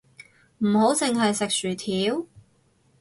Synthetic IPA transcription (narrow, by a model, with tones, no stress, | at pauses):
m̩˨˩ho˨˥wt͡sɪ˨ŋɦɐ˨jsɪ˨k̚syː˨˩t̪ʰiː˨˥w